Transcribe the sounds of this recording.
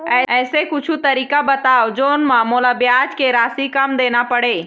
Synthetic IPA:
ɛːɛːsekʊt͡ʃʰut̪əɾiːkabət̪aːod͡ʒoːnmãːmoːlabjaːd͡ʒkeɾaːsikəmd̪eːnapəɽe

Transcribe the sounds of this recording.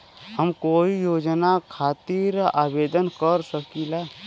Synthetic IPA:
həmkoːijoːd͡ʒnakʰaːt̪iɾaːbed̪ənkəɾsəkila

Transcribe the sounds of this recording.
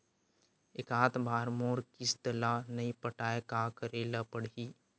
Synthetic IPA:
ɪkaːt̪bʱaːɾmoːɾkɪst̪əlanɐipəʈaːekaːkɾeːləpəɽiː

